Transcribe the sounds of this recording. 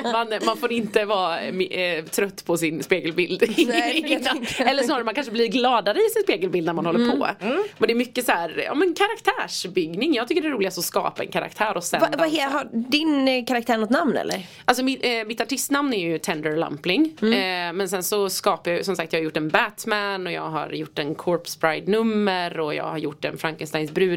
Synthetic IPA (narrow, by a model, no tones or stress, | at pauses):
manmanfoːɾɪnt̪əvɑːmt̪ʰɾœt̪ːpʰɔsɪnspeːɡɛlbɪld̪ɪnːaɛlːənɔːɾmankanʂəblɪɾɡlɑːd̪aɾəɪsɪnspeːɡɛlbɪld̪næɾmanhɔlːɾpʰɔ̰mɛnd̪ɛːɾmʏkːəsæːɾjɑ̰ːmɛnkʰaɾakt̪ʰæːʂbʏɡnɪŋjɑːɡt̪ʏkːəɖɛːɾuːlɪɡast̪ɔskɑ̰ːpaɛ̰nkʰaɾa̰kt̪ʰæːɾʔɔsɛvaɦɦaɖɪnkʰaɾak̚t̪æːɳɔt̪namnɛ̰lːə̰ɾ | als̬ɔmɪmɪt̪ːaʈɪst̪namnæɾjɵt̪ʰɛnd̪əɾla̰mplɪŋmɛnsɛnsɔskɑːpajajsɔmsak̚t̪jɑhaɾjʊʈːɛnbæt̪mænɔjɑ̰ːɡɦa̰ɾjʊʈːɛnkʰɔɾpsbɾajd̪nɵmːəɾɔjɑ̰ːɡhaɾjʊʈːɛ̰nfɾaŋkənst̪ajnsbɾʉ̟ː